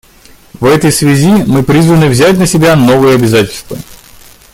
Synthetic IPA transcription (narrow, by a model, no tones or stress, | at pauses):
vɛt̪əjsvʲɪzʲimɨpɾʲizvənɨvzʲæt̚ʲnəsʲɪbʲano̞vɨjəɐbʲɪzatʲɪlʲst̪və̰